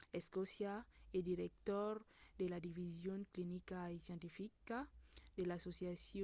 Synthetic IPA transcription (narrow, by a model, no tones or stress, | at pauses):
eskosjaed̪iɾek̚t̪oɾd̪elad̪ivizjoŋklinikaesjẽnt̪ifikad̪elasosjasj